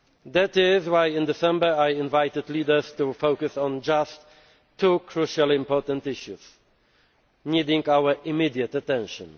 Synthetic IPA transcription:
ðætɪzwajɪ̃nd̪ɪsɛ̃mbə˞ajɪ̃nvajt̪ɨd̪lidə˞stufowkɨsɔ̃nd͡ʒastʰː | ukʰɹuʃalˠɪ̃mpɔɹtə̃nt̪ɪʃuz̥ | nidɪ̃ŋɡawə˞ʔɪmid̪iət̪atɛ̃nʃɔ̰̃n

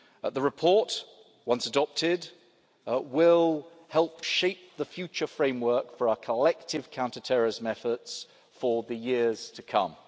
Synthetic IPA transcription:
əðəɹɪpʰɔˑʔ | wʌ̃nsədɒp̚tʰɪd | wɪlˠ | hɛlˠpʃeɪp̚ðəfjʉˑt͡ʃəfɹẽɪ̃mwɜˑkfəɹaʊəkʰəlɛk̚tʰɪv̥kʰãʊ̃ntətʰɛɹɪzə̃mɛfəts | fəðəjɪəz̥tʰəkʰʌ̰̃m

